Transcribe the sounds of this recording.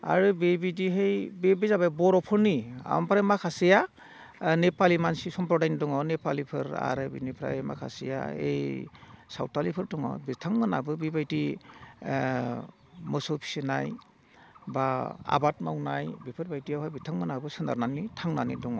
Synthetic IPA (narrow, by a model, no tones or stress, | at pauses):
a̰ɾɯbebidiɦejbebizababɔɾɔpʰɯɾnia̰ma̰mpʰɾajmakʰasija | nepalimansisɔmpɾɔdajnidɔŋawnepalipʰɯɾa̰ɾɯbḭnipʰɾa̰ejma̰kʰa̰sija̰ḛjsa̰wtalipʰɯɾtɔŋa̰bitʰaŋmɯnabɯbibajti | mɯsɔwpʰi̥sinaj | baa̰batmawnajbipʰɯɾbajtijawɦajbitʰaŋmɯnabɯsɯnda̰ɾnanitʰaŋnanidɔŋa̰